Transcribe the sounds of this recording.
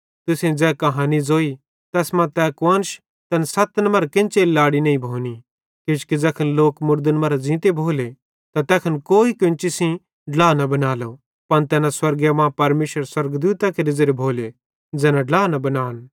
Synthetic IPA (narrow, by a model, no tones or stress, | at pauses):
t̪ʊsẽd͡zɛːkɐɦãːnid͡zoːi | t̪ɛːsmãt̪ɛːkʋɐ̃nʃ | t̪ɐnsɐt̪nmɐɾkɪ̃nt͡ʃellaːɽinɐːĩbʱoːni | kɪt͡ʃkid͡zɛːkʰənloːkmʊɾd̪ənmɐɾad͡zĩːt̪ebʱoːle | t̪at̪ɛːkʰənkoːikʊ̃nt͡ʃɪsĩ | ɖlaːnɐbɐnaːlo | pɐnt̪ɛːnãswɐɾɡjamãːpɐɾmeːʃɾəɾswɐɾɡd̪uːt̪akeɾɪzeɾebʱoːle | d͡zɛːnãɖlaːnɐbɐnaːn